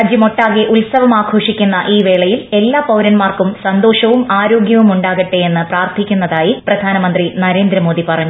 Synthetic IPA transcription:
d͡ʑjɐmo̞ʈːaːɣeʔulsɐʋɐmaːkʰo̞ːʂikʲːunːɐʔiːʋeːɭɐjile̞lːaːpɐwɾɐnmaːrkumsɐnd̪o̞ːʂɐʋumaːɾo̞ːɡjɐʋumuɳɖaːɣɐʈːeenːɨpraːrt̪ʰikʲːunːɐðaːjiprɐd̪ʱaːnɐmɐnd̪rinɐɾeːnd̪ɾɐmo̞ːd̪ipɐrɐɲːu

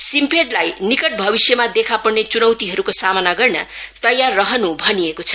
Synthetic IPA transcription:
simpʰeʈlajnikʌʈ̚bʱʌbisjʌmad̪ekʰapʌrnet͡sunʌwt̪iɦʌɾukosamʌnaɡʌrnʌt̪ʌjarːʌɦʌnubʱʌnijekot͡sʰʌ̥

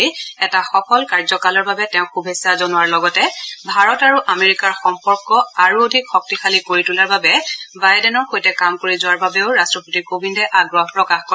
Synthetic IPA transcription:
ɛtaxɔkʰɔlkaɹzɔkalɔɹbabɛtɛʊ̃xubʱesazonʊwaɹlɔɡɔtɛbʱaɹɔtaɹuʔameɹikaɹxɔmpɔɹkɔaɹuodʱikxɔk̚tixʰalikoɹitulaɹbabɛbajdɛnɔɹxojtɛkamkoɹizʊwaɹbabeʊɹastɹɔpotikobʱindɛʔaɡɹɔɦpɹɔkaxkɔ

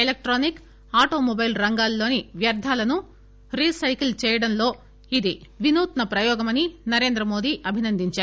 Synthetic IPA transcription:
elek̚ʈɾoːnik | aːʈo̞ːmobɐjlɾɐŋɡaːlːo̞ːniʋjɐɾd̪ʱaːlɐnu | ɾiːsɐjklt͡ʃɛːjɐɽɐnlo̞ː | id̪iʋinuːt̪nɐpɾɐjɔːɡɐmɐninɐɾe̞ːnd̪ɾɐmo̞ːd̪iːʔɐbʱinɐnd̪ʱiɲt͡ʃaːɾu

